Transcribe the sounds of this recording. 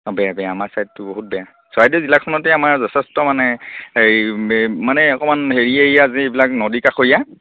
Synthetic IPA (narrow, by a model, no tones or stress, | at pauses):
ɔbɛjabɛjaːmaɹsajtːʊboɦut̚bɛja | sɔajdɔzilakʰɔnɔtɛamaɹzɔtʰɛstɔmanɛ | manɛɔkɔmanɦeɹieɦijaːziebilaknɔdikaxoija